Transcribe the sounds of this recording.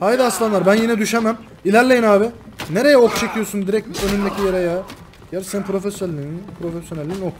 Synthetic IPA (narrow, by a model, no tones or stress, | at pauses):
hajd̪aslˠanlˠaɾbænjinɛd̪yʃemæm | ilʲæɾlʲejinaːbɪneɾe̞jɛokt͡ʃʰe̞cʰijosund̪iɾɛc̚t̪ønynd̪ecʰijeɾɛja | jæɾsenpɾo̞fesjolʲːinpʰɾofesjo̞nælʲːiːnok